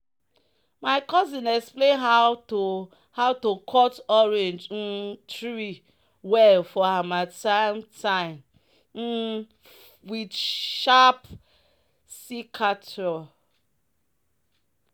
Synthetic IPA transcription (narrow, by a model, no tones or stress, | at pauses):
maɪkɔzinɛksplenɦa | haʊtokʰɔtɔɾẽnd͡ʒn̩tɾi | wɛlfɔhamatantʰaɪn | n̩ | widʃap | sikʰatɾɔ